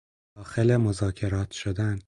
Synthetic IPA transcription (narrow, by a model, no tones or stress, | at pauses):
ɒːxelemozɒːcʰe̞ɾɒːt̪ʰʃod̪æn